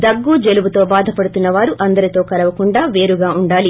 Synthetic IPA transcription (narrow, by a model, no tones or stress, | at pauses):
d̪ɐɡːud͡ʒeluʋut̪o̞ːbaːd̪ʱɐpɐɽut̪unːɐʋaːɾuʔɐnd̪ɐɾit̪o̞ːkɐlɐʋɐkuɳɖaːʋe̞ːɾuɡaːuɳɖaːli